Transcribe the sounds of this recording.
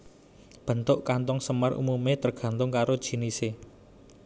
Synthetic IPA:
b̥ə̤nt̪ʊʔkant̪ʊŋsəmarṵmumet̪ərɡ̥ä̤nt̪ʊŋkaɾod̥ʒ̥i̤nise

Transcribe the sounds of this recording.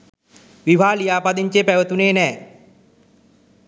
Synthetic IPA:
ʋiʋʱaːlijaːpad̪iɲt͡ɕepɛʋət̪uneːnɛː

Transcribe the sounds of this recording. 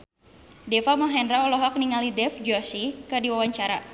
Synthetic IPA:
dɛfamɔŋɦɛndɾaɔlɔɦɔk̚niŋalidɛfd͡ʒɔsikɨrdiwawaɲt͡ʃaɾa

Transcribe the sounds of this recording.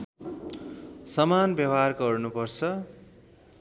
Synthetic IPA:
sʌmanbjʌbɦarɡʌrnupʌrt͡sʰʌ

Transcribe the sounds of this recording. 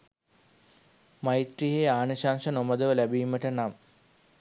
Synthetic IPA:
majit̪riɦeaːnəɕaːnʂənoməd̪əʋəlæbiːmːəʈənam

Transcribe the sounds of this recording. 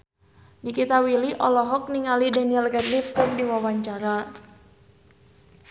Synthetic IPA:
nikit̪awiliʔɔlɔɦɔk̚niŋalidaniɛlkɛd̪lifkʊrdiwawaɲt͡ʃaɾa

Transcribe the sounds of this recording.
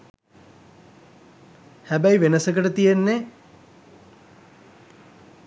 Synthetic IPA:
hæbæjʋenəsəkəʈət̪ijenːe

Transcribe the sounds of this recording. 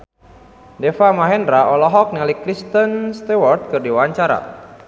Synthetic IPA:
dɛfamaɦɛndɾaɔlɔɦɔk̚nalikɾist̪ənst̪ewɔrt̪̚kɨrdiwaɲt͡ʃaɾa̰

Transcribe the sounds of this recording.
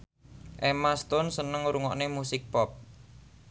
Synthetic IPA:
ʔemast̪ʊnsənəŋɾuŋɔʔnemusɪk̚pɔp̚

